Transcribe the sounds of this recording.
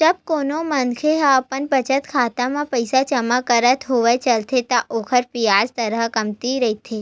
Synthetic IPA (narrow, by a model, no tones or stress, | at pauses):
t͡ʃəb̚konomənkʰeɦapəɳbət͡ʃət̪kʰat̪amãpəjsat͡ʃəmakəɾət̪ɦoʋajt͡ʃəlt̪ʰet̪aʔokʰəɾpijazt̪əɾəɦkəmt̪iɾəɦit̪ʰe